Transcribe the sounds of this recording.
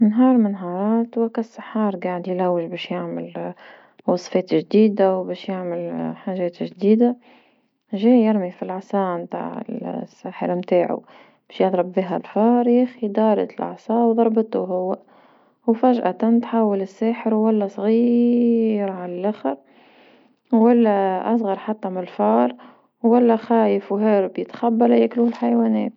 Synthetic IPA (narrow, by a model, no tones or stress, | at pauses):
nɦɑːɾˤmɪnɦɑːɾˤɑːt̪wakasːaħɑːɾˤɡaʕɪd̪jlawːɪʒbɛːʃjaʕmɪl | wɑsˤfeːt̪ʒd̪iːd̪awbɛːʃjaʕmɪlħaːʒɛːt̪ʒd̪iːd̪a | ʒiːjɪɾmifilʕsˤɑːʔmt̪a̰ʕɪ̰lsːaːħɪ̰ɾmt̪aːʕṵ | b̥ɛːʃjɑðˤɾˤɑbbiːɦa̰lfɑːɾˤjixid̪ɑːɾˤɑ̰t̪lʔɑ̰ʕsˤɑːwðˤɑɾˤbət̪uɦʊwːa | wfæʒʔat̪ant̪ħaːwːəlɪsːæːħəɾwwælːæsˤɣiː | ɾʕallʔæxəɾ | wælːæʔɑsˤɣɑɾˤħat̪ːæmɪɪlfɑːɾˤ | wwælːæxæːjəfwɦæːɾbjɪt̪xabːalæjækluːhlħajwæːnɛːt̪